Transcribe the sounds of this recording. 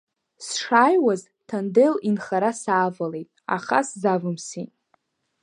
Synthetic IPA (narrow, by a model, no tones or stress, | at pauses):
sʂaːjwaz | tʰandelinχaɾasaːvale̞jtʼa̰χa̰szavɨmsḭtʼ